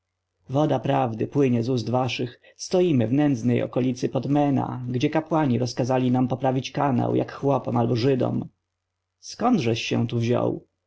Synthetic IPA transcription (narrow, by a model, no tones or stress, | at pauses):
vɔd̪apɾavd̪ɘpwɘɲɛzusd̪vaʂɘx | st̪ɔjimɘvnɛnd̪znɛjʔɔ̰kɔlʲit̪sɘpɔd̪mɛna̰ɡd͡ʑɛkapwaɲiɾɔskazalʲinampɔpɾavʲit͡ɕkana̰wjʔa̰kxwɔpɔmalbɔʐɘd̪ɔ̰m | skɔnd̪ʐɛɕːɛ̰̃t̪uvʑɔ̰w